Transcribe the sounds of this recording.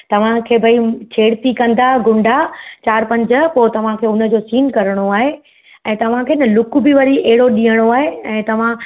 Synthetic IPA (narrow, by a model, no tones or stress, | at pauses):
t̪ɐʋ̤ãkʰeːbʱɐit͡ɕʰeːɽt̪ikɐ̃nd̪aɡʊ̃ɳɖʱat͡ɕaːɾpɐ̃ɲd͡ʑə̆poːt̪ɐʋ̤ãkʰeːʊnə̆d͡ʑoːsiːnkɐɾəɽ̃oaːɦe | ɛ̃ːt̪ɐʋ̤ãkʰeːɪnəlʊkbɪʋɐɾiʔɐɦɪɽoɗĩːɦəɽ̃oaːɦeɛ̃ːt̪ɐʋ̤ã